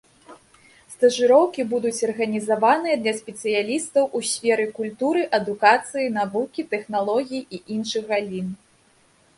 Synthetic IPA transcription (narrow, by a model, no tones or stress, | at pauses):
st̪ɐʐɨɾɔwkʲibud̪ut͡sʲɐrɣɐnʲizavanɨjɐd̪lʲɐsʲpʲɛt̪sɨjalʲist̪ɐwʔusʲfʲɛɾɨkulʲt̪uɾɨʔɐd̪ukat̪sɨjinavukʲit̪ɛxnalˠɔɣʲijiʔiʔinʂɨɣɣalʲin